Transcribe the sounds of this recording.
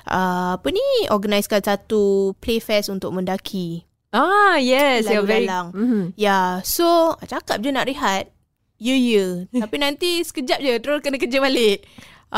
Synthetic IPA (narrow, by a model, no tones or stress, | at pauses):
ʔəapəniɔɡanajskansat̪uplefɛsunt̪ʊk̚mə̃ndakʰi | ajɛslvlaŋjasot͡ʃakap̚d͡ʒənaʔɾiɦat̪̚ | jəjətapinãnt̪isə̥kəd͡ʒap̚d͡ʒət̪əɾokənakəd͡ʒəbalɪʔ